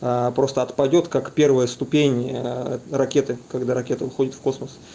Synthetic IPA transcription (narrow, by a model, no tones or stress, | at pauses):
apɾo̞st̪əɐt̪pɐdʲo̞t̪kakpʲe̞rvəjəst̪ʊpʲenʲ | rɐkʲe̞t̪ɨkɐɡd̪aɾɐkʲe̞t̪əvɨxo̞dʲɪt̪fko̞sməs